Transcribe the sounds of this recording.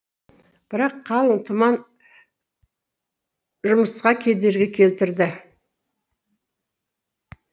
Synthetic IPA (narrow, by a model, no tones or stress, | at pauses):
b̥ɪɾɑqʰːɑlˠənt̪ʰʊmɑn | ʒʊməsqɑkʲʰe̞d̪e̞ɾɡʲekʲʰe̞lt̪ɪɾd̪ɪ